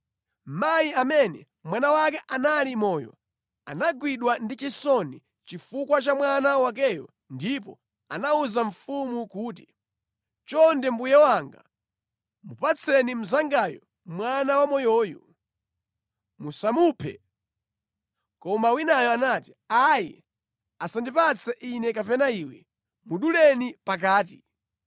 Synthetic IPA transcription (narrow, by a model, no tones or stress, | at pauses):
m̩majiamɛnɛ̰ | mwanawakɛʔanalimɔːjɔ̰ | a̰naɡwiɗwandit͡ʃisɔni | t͡ʃifukwat͡ʃamwanawak̬ɛjɔ̰ | ndipɔ̰ | a̰nauzaɱ̩fumukuːt̬i | t͡ʃɔndɛmbujɛwaŋɡa̰ | mupat͡sʰɛnim̩zaŋɡajɔ̰ | mwanawamɔjɔːjɔ | musamupʰɛ̰ | kɔmawinajɔanati̥ | ajɛ̰ | asandipat͡sʰɛʔinɛkapɛnaiwɛ̰ | muɗulɛnipak̬aːt̬i